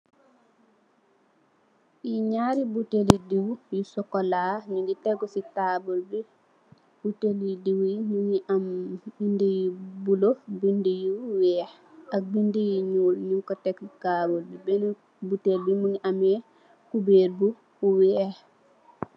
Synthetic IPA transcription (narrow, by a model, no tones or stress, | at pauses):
iɲaːɾibutelidiwujusɔkɔlaɲuŋɡitɛɡɔsitabɔlbi | b̥utelidiwɲuɲiʔambindijibulofbindijuwɛːh | ʔak̚bindijiɲulɲuŋkɔtɛkːikabɔlbibɛnɔ | butelbimuɲiʔamɛ | kubeːɾbu | uwɛh